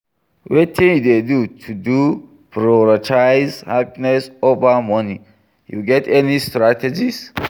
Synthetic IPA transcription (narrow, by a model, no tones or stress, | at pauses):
wet̪ʰĩnjud̪ed̪ut̪ʰud̪u | pɾaɔɹatʰaɪzhapinɛsovamɔni | jṵɡɛtɛnistɾat̪ʰɛd͡ʒis